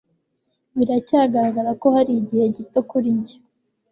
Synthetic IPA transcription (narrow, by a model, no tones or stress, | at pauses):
βiɾacaːɡaɾaɡaɾako̞haɾiɟihe̞ɟitokuɾiɲɟe